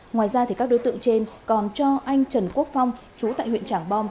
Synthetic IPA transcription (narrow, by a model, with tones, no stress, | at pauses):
ŋwaː˨˩jzaː˧t̪ʰi˨˩kaː˦˥k̚ɗo˨˦jt̪ɨ̰˧˨əŋt͡ɕe˧nkɔ˨˩nt͡ɕɔ˧ʔa˧jŋ̟t͡ɕə˨˧˩nku˦˥ək̚fa˧wŋ͡m | t͡ɕu˨˦t̪a̰ː˧˨jwḭ˧˨nt͡ɕaː˧˩ŋɓɔ˧m